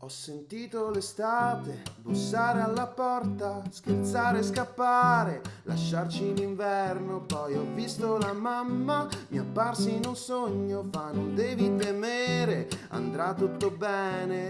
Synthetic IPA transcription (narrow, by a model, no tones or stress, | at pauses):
ɔsːent̪iːt̪olest̪aːt̪ebusːaːɾealːapɔrt̪askert̪saːɾeːskapːaɾela̰ʃːart͡ʃiliɱvɛrnopɔjɔvːist̪olamamːamiapːarsiːnunsoɲːofanːond̪ɛːvit̪emeɾea̰nd̪ɾat̪ːut̪ːobɛːne